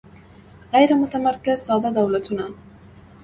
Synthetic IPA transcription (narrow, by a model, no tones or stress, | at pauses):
ɣajɾmʊt̪amaɾˤkɪzsˤɑːd̪ɑd̪awlat̪ʊnaː